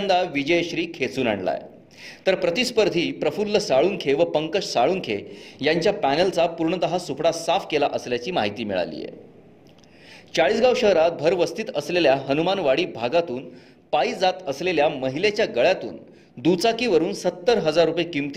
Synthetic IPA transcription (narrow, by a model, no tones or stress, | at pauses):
nd̪aʋid͡ʑəjɕɾiːkʰet͡suːna̰ɳɖla̰j | t̪əɾpɾət̪ispəɾd̪ʱiːpɾəfulːəsaɭuːnkʰeʋəpəŋkəʂsaɭuːnkʰejaɲt͡ɕjapænəlt͡sapuɾɳəd̪əɦasupɽasafkelaʔəsljat͡ɕiːmaɦit̪iːmḭɭa̰lḭːjḛ | t͡saɭiːsɡawɕəɦɾat̪̚bʱəɾʋəst̪ʰit̪əsleljaɦənumanʋaɽiːbʱaɡat̪uːn | paid͡zat̪əsleljaməɦilet͡ɕjaɡəɭjat̪ṵːn | d̪ut͡sakiːʋəɾuːnsət̪ːəɾɦəd͡zaɾːupjekimt̪